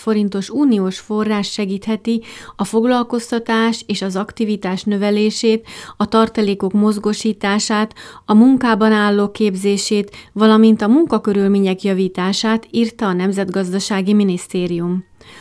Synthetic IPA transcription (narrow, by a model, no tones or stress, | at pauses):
fo̞ɾint̪o̞ʃuːnioːʃfo̞rːaːʃt̪ʃɛɡiːt̪hɛt̪iɒfo̞ɡlɒlko̞st̪ɒt̪aːʃeːʃɒzɒkt̪ivit̪aːʃnø̞vɛleːʃeːt̪ɒt̪ɒrt̪ɒleːko̞kmo̞zɡo̞ʃiːt̪aːʃaːt̪ɒmuŋkaːbɒnaːlːoːkeːbzeːʃeːt̪ʋɒlɒmint̪ɒmuŋkɒkø̞ɾylmeːɲɛkjɒviːt̪aːʃaːt̪iːrt̪ɒːnɛmzɛd̪ɡɒzd̪ɒʃaːɡiminist̪eːɾijum